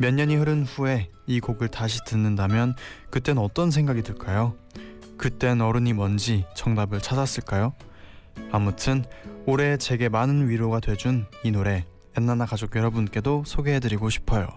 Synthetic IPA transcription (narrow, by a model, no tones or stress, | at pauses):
mjʌɲːʌɲiɦɯɾɯnɸue̞ | ikoɡɯɭtaɕʰi̥tɯnːɯndamjʌnkɯt͈e̞nɯnʌt͈ʌns̬ʰe̞ŋɡaɡidɯɭk͈ajo | kɯt͈e̞nʌɾɯɲimʌnd͡ʑit͡ɕʌŋdabɯɭt͡ɕʰad͡ʑas͈ɯɭk͈ajo | amutʰɯnoɾe̞t͡ɕe̞ɡe̞manɯnɥiɾoɡadwe̞d͡ʑuninoɾe̞ | enːanakad͡ʑoɡ̚jʌɾʌbunk͈e̞dosʰoɡe̞ɦedɯɾiɡoɕʰi̥pʰʌjo̰